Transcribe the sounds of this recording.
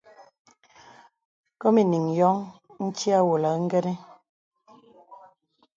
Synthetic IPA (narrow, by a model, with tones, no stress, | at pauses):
kɔ˦mi˨ni˨ŋjɔ˦ŋn̩˦t͡ʃi˦a˦wo˨la˨˦ŋ̩˦ɡɛ˦ɾɛ˦